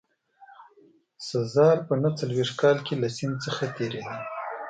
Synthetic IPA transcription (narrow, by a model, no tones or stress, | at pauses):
sazɑɾpənat͡salweʂt̪̚kɑlkelasɪnd̪t͡səxat̪eɾed̪i